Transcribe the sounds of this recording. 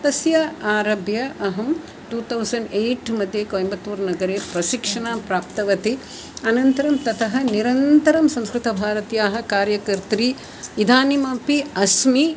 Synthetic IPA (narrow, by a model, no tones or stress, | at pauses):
t̪ɐsjɐaːɾɐbjɐʔɐɦɐm | ʈuːt̪ʰɐwsɐɳɖeːʈmɐd̪ʱjeːkoːjmbɐt̪ːuːɾnɐɡɐɾeːpɾɐʃikʂɐɳaːpɾaːpt̪ɐʋɐt̪i | ɐnɐnt̪ɐɾɐmt̪ɐt̪ʰɐɦɐ̆niɾɐnt̪ɐɾɐmsɐ̃mskɾɪt̪ɐbʱaːɾɐt̪jaːɦɐ̆kaːɾjɐkɐɾt̪ɾi | ʋid̪ʱaːnimɐːpiɐsmi